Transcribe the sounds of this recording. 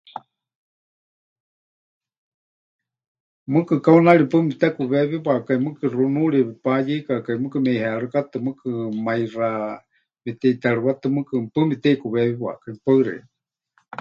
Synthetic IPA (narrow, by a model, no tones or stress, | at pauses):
mɨkɨkaunaɺipɨmit̪ɛkuβɛβiβakaimɨkɨrunuɺipajikakaimɨkɨmɛhɛaɺɨkat̪ɨmɨkɨmaira | mɛt̪ɛit̪aɺɨwat̪ɨmɨkɨpɨmit̪ɛikuβɛβiβwa̰kaipaɨɾḛi